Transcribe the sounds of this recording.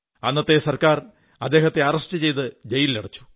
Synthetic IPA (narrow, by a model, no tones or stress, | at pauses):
ɐnːɐt̪ːe̞sɐrkaːr | ɐd̪ːe̞ːɦɐt̪ːe̞ɐrɐʂʈɨt͡ɕe̞jt̪ɨd͡ʑejiliɽɐt͡ɕːu̥